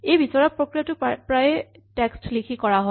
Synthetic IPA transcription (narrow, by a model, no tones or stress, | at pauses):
ejbisɔɹɔpɹokɹijɔtʊpɹajɛ | tɛkstlikʰikɔɹaɦɔ